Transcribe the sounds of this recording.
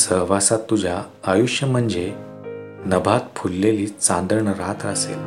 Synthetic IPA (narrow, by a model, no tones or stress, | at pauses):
səɦʋasat̪ːud͡ʑʱjaː | juʂjəm̤əɳd͡ze | nəbʱat̪pʰulːeliːt͡sãnd̪əɾɳəɾat̪ɾəsḛl